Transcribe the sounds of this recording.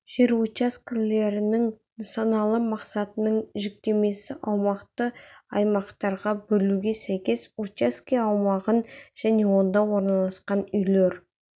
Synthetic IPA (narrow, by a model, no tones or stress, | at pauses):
ʒ̥e̞ɾot͡ʃaskʲɪle̞ɾɪnɪŋ | nɑsɑnɑlˠəmɑqsɑt̪ənəɴʒɪk̚t̪e̞me̞sɪʔɑwmɑqt̪əɑjmɑqt̪ɑɾʁɑbɵluɡʲe̞sæjkʲe̞soaskʲiɑwmɑʁənʒ̥æne̞wo̞nd̪ɑwo̞ɾnɑlˠɑsqɑnʏjle̞ɾ